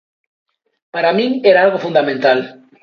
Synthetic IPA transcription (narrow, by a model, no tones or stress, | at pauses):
paɾamĩŋeɾaalɣofund̪amẽnt̪al